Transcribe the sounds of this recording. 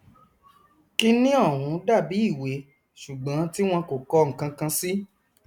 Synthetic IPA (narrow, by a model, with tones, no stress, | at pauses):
ki˧nĩ˦ɔ˦˨ɦũ˨˦da˦˨bi˨˦i˦˨we˨˦ | ʃu˨ɡ͡bã˨˦ti˦w̃ɔ̃˧ko˨kɔ˧ŋ̩˨kã˧kã˧si˦